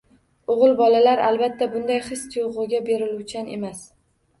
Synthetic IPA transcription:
oʁɨlˠbɒlalaɾalbat̪ʰːabʊnd̪ajχɨst̪ʰʊjʁʊɡʲabe̞ɾɪlut͡ʃʰane̞̰mas

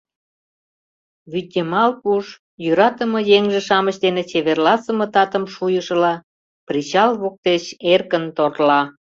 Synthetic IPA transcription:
βyt̪ʲːemɑlpuʃ | jyɾɑt̪ə̆mɤjeŋʒĕʃɑməɕd̪enet͡ɕeβerlɑsəmə̆t̪ɑt̪əmʃujəʃəlɑ | prit͡ɕɑlβok̚t̪eɕerkənt̪orlɑ

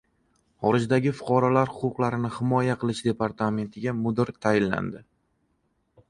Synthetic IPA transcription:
χɒɾɪd͡ʒd̪aɡʲɪfʊ̥qʰɒɾɒlaɾhʊqʊqlˠaɾɪnɪhɪmɒjaqʰɨlˠɪʃd̪e̞paɾt̪ʰame̞nt̪ʰɪɡʲamʊd̪ɪɾt̪ʰajɪnːa̰nd̪ɪ

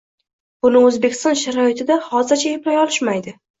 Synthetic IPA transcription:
b̥ʊnɪɵzbekʲɪ̥st̪ɒnʃaɾɒɪt̪ʰɪd̪ahɒzɪɾt͡ʃʰaeplajɒlɪʃmajd̪ɪ

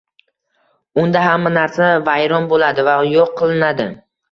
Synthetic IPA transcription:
ʊnd̪aɦamːanaɾsavajɾɒnbolad̪ɪvajoqʰːɨlˠɪnad̪ɪ̰

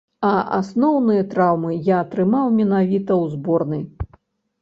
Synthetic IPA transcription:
ɐʔa̰snɔwnɨjɐt̪ɾawmɨjaːt̪ɾɨmawmʲɛnavʲit̪ɐwzbɔrnɨj

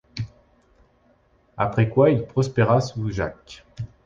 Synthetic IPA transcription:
apχɛkwailpχɔspeʁasuʒak

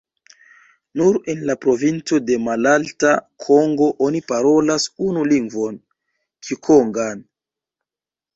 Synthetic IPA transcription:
nuɾenlapɾo̞vint͡so̞de̞malaltakʰo̞ŋɡo̞ʔonipaɾo̞lasunuliŋɡvo̞n | kʰikʰoŋɡan

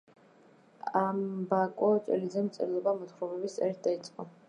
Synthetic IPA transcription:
ambakʼɔt͡ʃʼɛ̰lizɛmt̪sʼɛ̰ɾilˠɔbamɔt̪χɾɔmɛbist̪ʼɛɾit̪̚ʰd̪ait̪sʼqʼɔ

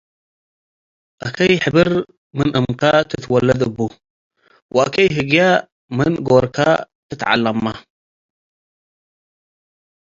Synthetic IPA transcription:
ʔɐkʰɐjħɨbɨɾ | mɨnʔɨmkʰat̪ʰɨt̪wɐlːɐd̪ɨbːu | wʔa̰ʔkʰɐjɦɨɡja | mɨnɡoɾkʰa̰ | t̪ʰɨt̪ʕa̰lːɐmːa

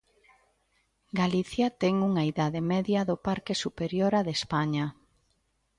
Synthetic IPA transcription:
ɡaliθjat̪ɛŋuŋaiðaðemɛðjɐðopaɾkesupeɾjoɾaðespaɲa

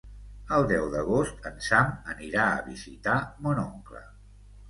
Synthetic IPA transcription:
əlˠd̪ɛwðəɣ̞ost̪ənsaməniɾaə̰βizit̪amonɔŋklə̰

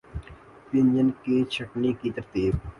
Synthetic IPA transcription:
pɪnd͡ʒənkit͡ʃʰɐʈnikit̪əɾt̪iːb̚

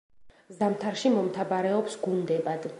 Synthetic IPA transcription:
zamt̪ʰaɾʃimɔmt̪ʰabaɾɛɔpsɡund̪ɛbad̪̥

